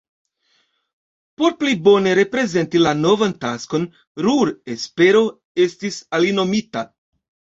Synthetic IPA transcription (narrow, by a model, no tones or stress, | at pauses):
po̞ɾplibo̞ne̞ɾe̞pɾe̞ze̞ntilano̞vantasko̞n | ɾuɾespe̞ɾo̞ | estisalino̞mita